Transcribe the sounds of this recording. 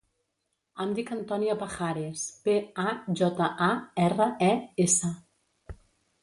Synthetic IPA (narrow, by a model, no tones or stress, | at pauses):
and̪ikant̪ɔniapaxaɾespeaʒɔt̪aʔaɛrəɛesa